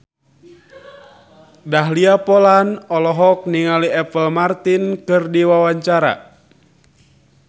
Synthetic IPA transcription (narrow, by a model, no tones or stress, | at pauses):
daɦliapɔlanɔlɔɦɔk̚niŋaliɛpəlmart̪inkɨrdiwawaɲt͡ʃaɾa̰